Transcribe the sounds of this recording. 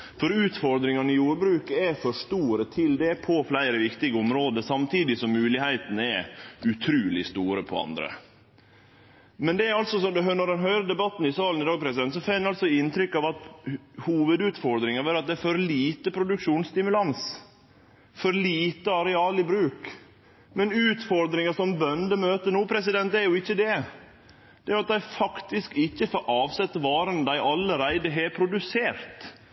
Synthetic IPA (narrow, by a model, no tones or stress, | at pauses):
fɔɾʉːt̪fɔɾd̪ɾɪŋɑnɪjuːɾbɾʉːkɛfɔʂt̪uːɾət̪ʰɪld̪ɛpʰɔflæɪɾəʋɪkt̪ɪɡəɔmɾoːd̪əsɑmt̪ʰiːd̪ɪsɔmːʉːlɪhæɪt̪ənəɛʉt̪ʰɾʉːlɪst̪uːɾəpʰɔɑ̰nd̪ɾə̰ | mɛnd̪ɛæɾɑlsɔsɔd̪ɦœnɔd̪ɛnɦœʏɾəd̪ɛbɑt̪ːn̩ɪsɑːlnɪd̪ɑːɡ̚pʰɾɛsɪd̪ɛnsɔfɛnːɑlsɔɪnt̪ʰɾʏkːɑʋɑt̪huːʋəd̪ʉːt̪fɔɾd̪ɾɪŋəɾʋɛːɾɑt̪̚d̪ɛæɾfɔɾliːt̪əpʰɾʊd̪ʉkʂuːnst̪ɪmʉlɑns | fɔɾliːt̪əɑɾɛɑːlɪbɾʉːk | mɛnʉːt̪fɔɾd̪ɾɪŋəʂɔmbœnd̪əmøːt̪ənuːpʰɾɛs̬ɪd̪ɛnt̪æɾjʊɪçːəd̪ɛ | d̪̥ɛæɾjʊɑt̪̚d̪æɪfɑkt̪ɪskɪçːəfɾʔɑːʋsɛt̪ːəʋɑːɾənd̪æɪʔɑlːəɾæɪd̪əɦɛpʰɾʊd̪ʉseːɾt̪